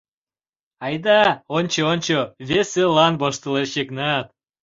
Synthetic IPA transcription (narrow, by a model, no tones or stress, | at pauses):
ɑjd̪ɑonʲt͡ɕoonʲt͡ɕoβeselɑnboʃt̪əleʃeknɑt̪